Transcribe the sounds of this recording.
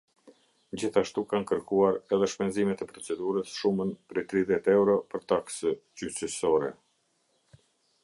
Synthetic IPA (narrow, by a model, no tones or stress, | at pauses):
d͡ʑiθaʃt̪ukankəɾkuaɾɛðɛʃpɛnzimɛt̪ɛpɾɔt͡sɛd̪uɾəsʃumənpɾɛjt̪ɾiðjɛt̪ɛwɾɔpəɾt̪aksəcyt͡ʃəsɔɾɛ